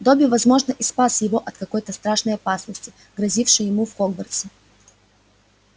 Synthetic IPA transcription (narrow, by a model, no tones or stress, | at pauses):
d̪obʲɪɪvɐzmo̞ʐnəʔɪspasjɪvo̞ʔɐt̪kɐko̞jt̪əst̪ɾaʂnəjɐpasnəsʲtʲɪ | ɡɾɐzʲifʂɨjjɪmufxoɡvərt̪sɨ